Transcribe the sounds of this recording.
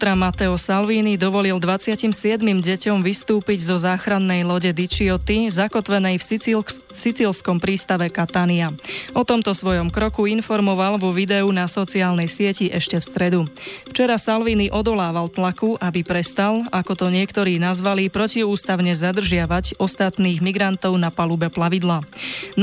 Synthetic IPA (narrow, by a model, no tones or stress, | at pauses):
t̪ɾamat̪ɛɔsalʋiːnid̪ɔʋɔlild̪ʋat͡sɪacimsɪɛd̪mimɟɛcɔmʋist̪uːpiɟzɔzaːxɾanːɛjlɔɟɛd̪it͡ʃiɔt̪izakɔt̪ʋɛnɛjf | sit͡silskɔmpɾiːst̪aʋɛkat̪aniaɔt̪ɔmt̪ɔsʋɔjɔmkɾɔkuinfɔɾmɔʋalʋɔʋid̪ɛunasɔt͡siaːlnɛjsɪɛciʔɛʃcɛfst̪ɾɛd̪uft͡ʃɛɾasalʋiːniʔɔd̪ɔlaːʋalt̪lakuʔabipɾɛst̪alakɔt̪ɔɲɪɛkt̪ɔɾiːnazʋalipɾɔciuːst̪aʊɲɛzad̪r̩ʒɪaʋaɟɔst̪at̪niːɣmiɡɾant̪ɔʊnapalubɛplaʋid̪laː